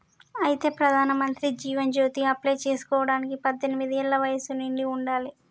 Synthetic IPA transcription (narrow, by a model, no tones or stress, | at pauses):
ɐjit̪e̞ːpɾɐd̪ʱaːnɐmɐnt̪ɾid͡ʒiːʋɐnd͡ʒoːt̪iɐplɐjt͡ʃe̞ːsu̥kɔːʋɐɽaːnikipɐd̪ːenimid̪iɛɭːɐʋɐjɐsuniɳɖiuɳɖaːli